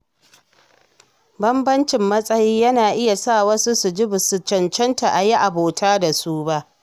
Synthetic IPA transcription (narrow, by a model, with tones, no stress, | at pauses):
bɐ˦mbɐ˦nt͡ʃɪ˨mːɐ˦sʼɐ˦jiː˦jɐ˦naː˨ʔɪ˦ja˨sa˦˨wɐ˦su˦su˨d͡ʒɪ˦bʊ˨su˨t͡ʃɐ˨nt͡ʃɛ˦nta˨ʔa˨ji˦ʔa˨boː˨tʰaː˦da˨suː˦ba˦ʔ